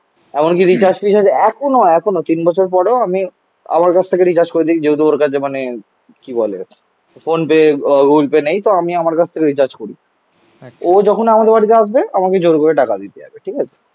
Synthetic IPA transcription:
ɛmonk̬iɾit͡ɕaɾd͡ʑpiʃad͡ʑʰeɛkʰonoɛkʰonot̪inbɔt͡ɕʰoɾeɾpɔɽeoami | a̰maɾkat͡ɕʰt̪ʰekeɾit͡ɕaɾd͡ʑkoɾed̪ikid͡ʑeɦut̪̬uoɾkat͡ɕʰemane | kibɔlḛ | fonpeɡulpenejt̪oamiamaɾkat͡ɕʰt̪ʰekeɾit͡ɕaɾd͡ʑkoɾḭ | od͡ʑɔkʰonamad̪eɾbaɽit̪̬eaʃbeamaked͡ʑoɾkoɾeʈakad̪it̪eɦa̰beʈʰikat͡ɕʰe̥

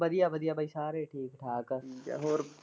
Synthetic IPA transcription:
bɐd̪ijaːbɐd̪ijaːbɐisaːɾeːʈʰiːkʈʰaːkːkːɦoːɾ

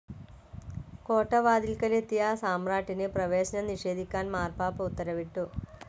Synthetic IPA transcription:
koːʈːɐʋaːd̪ilkɐlet̪ːijasaːmraːʈːinɨprɐʋeːɕɐnɐniʂe̞ːd̪ʱikʲːaːnmaːrpaːpɐut̪ːɐɾɐʋiʈːu

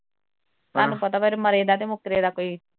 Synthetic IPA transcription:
t̪aːnũːpət̪aːpeɾməɾeːd̪aːt̪̬eːmʊkɾeːd̪aːkoːiː

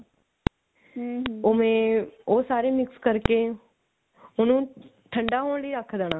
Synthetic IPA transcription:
omẽːoːsaːɾemɪkskəɾke | ʊnũː | ʈʰə̃ɳɖaːɦoːɳ̃ləiɾəkʰːd̪eːɽ̃aː

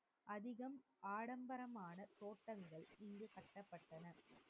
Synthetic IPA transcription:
ʔɐðɪɣɐmʔaːɽɐmbɐɾɐmaːnɐt̪oːʈːɐŋɡɐɭɪŋɡɯkɐʈːɐpːɐʈːɐnɐ

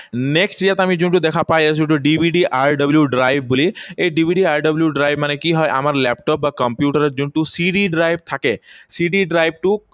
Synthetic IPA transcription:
neksʈijat̪amizunʈud̪ɛkʰapajazũɳʈuɖibʱiɖiʔaɹɖɔbljuɖɾajb̚ːuliejɖibʱiɖiaɹɖɔbljuɖɾajbmanɛkiɦɔjʔa̰maɹlɛp̚ʈɔp̚bakɔmpjuʈaɾezunʈusiɖiɖɾajb̚t̪ʰakɛsiɖiɖɾajb̚ʈu

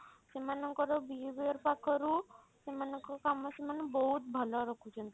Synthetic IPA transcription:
semanɔŋkɔɾɔbiubiɔɾpakʰɔɾu | semanɔŋkɔkamɔsemanɔbɔɦut̪̚bʱɔlɔɾɔkʰut͡ʃʰɔnt̪i

